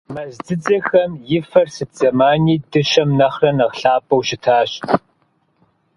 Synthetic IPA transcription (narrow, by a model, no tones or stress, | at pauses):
mɐzd͡zɨd͡zɐxɐmjɪfɐrsɨt̚z̥ɐmaːniːdɨɕɐmnɐχrɐnɐʁɬaːpʼɐwʃɪtʰaːɕtʰ